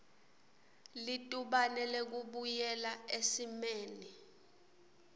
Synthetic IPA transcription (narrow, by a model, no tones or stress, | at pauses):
litʼuɓanɛlek̬uɓujɛlaesimeːni